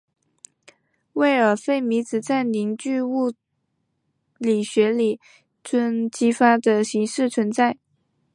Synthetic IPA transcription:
we˥˩ɪə˞˨˩fe˥˩ɪmi˧˥t͡sɹ̩˨˩t͡sa˥˩nli˧˥ŋt͡ɕy˥˧u˥˩ | li˨˩ɕɥɛ˧˥li˨˩ | t͡sʰwə˥nt͡ɕi˥fa˥d̪ə˨ɕi˧˥ŋʂɻ̩˥˩t͡sʰwə˧˥nt͡sa˥˩ɪ

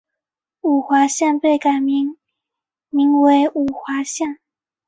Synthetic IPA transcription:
u˨˩xwa˧˥ɕjɛ˥˧npe˥˩ɪka˨˩ɪm˧˥ | mi˧˥ŋwe˧˥ɪʔu˨˩xwa˧˥ɕjɛ˥˩˨n

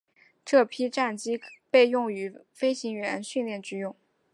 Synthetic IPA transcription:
ʈ͡ʂɤ˥˩pʰi˥ʈ͡ʂa˥˩nt͡ɕi˥pe˥˧ɪjʊ˥˩ŋy˧˥ | fe˥ɪɕi˧˥ŋɥɛ˥˧˥nɕy˥˧nljɛ˥˩nt͡ɕy˥˧jʊ˥˩ŋ

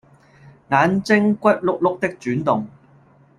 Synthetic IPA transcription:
ŋaː˨˧nt͡sɪ˥ŋkʷɐ˥t̚lʊ˥k̚lʊ˥k̚t̪ɪ˥k̚t͡ʃyː˨˥nt̪ʊ˨ŋ

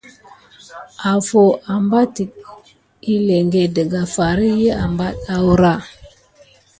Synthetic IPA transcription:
a˨fo˨ʔa˨mba˦ti˨k | i˦le˨ŋɡe˨də˨ɡa˨fa˨ɾi˦jə˦a˨mba˦ɗa˦wu˦ɾa˦˨

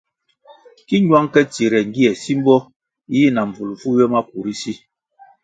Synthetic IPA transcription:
ki˦ɲwa˦ŋkɛ˦t͡si˨ɾɛ˨ŋ̩˦ɡi˦ɛ˨si˦m̩˦bɔ˦ | i˦na˨ɱ̩˨b͡vu˨lfu˦jɛ˦ma˦k̚u˨ɾi˦si˦

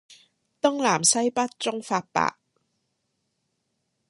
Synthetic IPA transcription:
t̪ʊ˥ŋlaː˨˩msɐ˥jpɐ˥t̚t͡sʊ˥ŋfaː˧t̚pa̰ː˧k̚

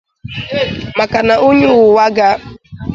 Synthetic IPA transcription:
ma˨ka˨na˨ʔu˦ɲʊ˦ʊ˨wa˦ɡa˦

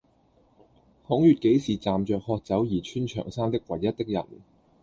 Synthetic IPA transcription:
hʊ˨˥ŋjyː˨t̚ke˨˥jsiː˨t͡saː˨mt͡ʃœː˨˧k̚hɔː˧k̚t͡sɐ˨˥wjiː˨˩t͡ʃʰyː˥nt͡ʃʰœ̰ː˨˩ŋsaː˥ŋt̪ɪ˥k̚wɐ˨˩jɐ˥t̚t̪ɪ˥k̚jɐ̰˨˩n

